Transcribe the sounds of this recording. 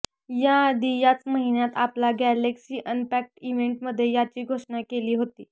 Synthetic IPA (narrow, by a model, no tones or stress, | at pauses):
jad̪ijat͡sməɦinjat̪aplaɡæleksiːʔənpæk̚ʈiʋeɳʈməd̪ʱːjejat͡ɕiːɡʱoʂɳakeliːɦot̪iː